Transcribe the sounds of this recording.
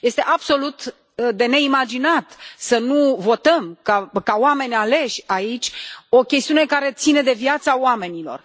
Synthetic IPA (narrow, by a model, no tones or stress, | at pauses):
je̞st̪e̞ʔab̥so̞lut̪ | d̪e̞ne̞imad͡ʒinat̪sənuvo̞t̪əmkakawame̞nʲale̞ʃʲait͡ʃʲo̞kʲe̞st̪iune̞kaɾe̞t̪sine̞d̪e̞vjat̪saoame̞nilo̞̰r